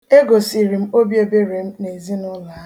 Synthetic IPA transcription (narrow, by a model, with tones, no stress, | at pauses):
e˦ɡo˨si˨ɾi˨m̩˦o˦bje˦be˦ɾe˨m̩˦ne˨zi˦nʊ˦la˦